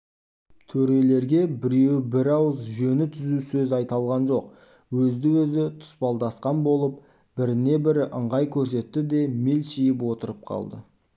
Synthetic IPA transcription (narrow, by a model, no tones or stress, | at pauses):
t̪ʰɵɾe̞le̞ɾɡʲe̞bɪɾewbɪɾɑwəzʒɵnɪt̪ʰʏzusɵzɑjt̪ɑlˠʁɑnʒo̞q̚ | wɵzd̪ɪwɵzɪt̪ʰʊ̥spɑlˠd̪ɑsqɑnbo̞lˠəp̚ | b̥ɪɾɪne̞bɪɾʔəɴʁɑjkʲʰɵɾs̬e̞t̪ːɪd̪e̞me̞lʃijɪpwo̞t̪əɾəp̚qʰɑ̰lˠd̪ə̰